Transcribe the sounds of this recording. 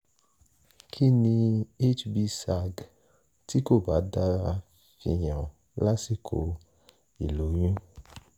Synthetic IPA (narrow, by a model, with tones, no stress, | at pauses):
kʰi˦nĩ˧e˦t͡ʃbi˧sa˦˨ɡ | ti˦ko˦˨ba˨˦da˦ɾa˧ | fi˧j̃ã˨ | la˦si˦˨kʰo˧˦ | i˨lo˨˦j̃ũ˦